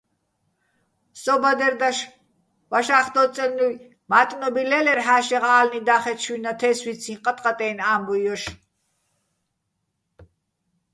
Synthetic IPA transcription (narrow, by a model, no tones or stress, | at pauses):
sɔbad̪ɛɾd̪aʃ | vaʃaːχt̪ɔt͡sʼɛlnuj | mat̪ʼnɔbilɛlɛɾħaːʃɛʁaːlnid̪aːχɛt͡ʃʰwinat̪ʰɛswit͡sʰĩnqʼat̪ʼqʼat̪ʼɛːnaːmbɔjɔʃ